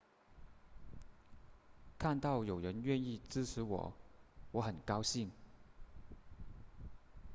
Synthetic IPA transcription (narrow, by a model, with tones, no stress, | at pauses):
kʰa˥˧nt̪ɑ˥˩ʊjo˨˩ʊɻə˧˥nɥɛ˥˧ni˥˧t͡sɹ̩˥ʈ͡ʂ̩ʰ˧˥wɔ̰˨˩˦wɔ˧˥xə˨˩nkɑ˥ʊɕi˥˩ŋ